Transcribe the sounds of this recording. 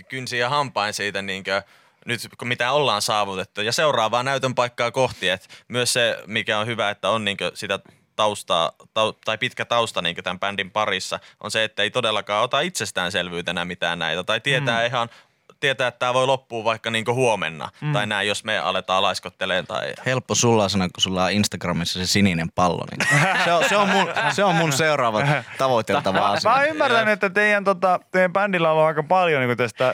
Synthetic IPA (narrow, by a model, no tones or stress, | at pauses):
kynsiːjɑhɑmpɑinsiːt̪æniːŋkø | nyt̪komit̪æolːɑːnsɑːʋut̪et̪ːujɑseurɑːʋɑːnæyt̪ømpɑikːɑːkoht̪iet̪myøssemikæonhyʋæet̪ːæonniːŋkøsit̪æ | t̪ɑust̪ɑ̰ːt̪ɑut̪ɑipit̪kæt̪ɑust̪ɑniːŋkøt̪æmpændimpɑrisːɑ̰ʔo̰nseet̪ːæeit̪odelːɑkɑːot̪ɑit̪sest̪æːnselʋyːt̪ænæmit̪æ̰ːnnæ̰it̪æt̪ɑit̪iet̪æːiɦɑn | t̪iet̪æːet̪ːæːʋoilopːuːʋʋɑikːɑniːŋkohuomḛnːɑ̰t̪ɑinæijjosmeɑ̰let̪ɑːlɑiskot̪ːeleːnt̪ɑ̰ihelpːosulːɑːsɑnokkusulːɑːinst̪ɑɡrɑmisːɑsesininempɑlːo̰nḭːseoseommunseommunseurɑːʋɑt̪ɑʋot̪ːet̪ɑʋɑ̰smæymːært̪ænnːyet̪ːæt̪eijænt̪ot̪ɑt̪ejæmpændilːæoluɑikɑpɑljoniːŋkut̪æst̪æ